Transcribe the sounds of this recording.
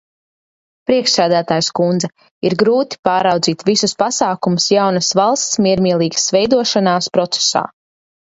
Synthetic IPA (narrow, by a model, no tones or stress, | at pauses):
pɾiɛkʃsæːd̪æːt̪aːjskund̪zɛ | iɾɡɾuːt̪i̥paːɾawd̪ziːt̪visuspasaːkumʊsjawnɐsvalˠst̪smʲiɛɾmiɛlˠiːɡɐ̥svɛjd̪uɔʃanaːspɾɔt̪se̥sa̰ː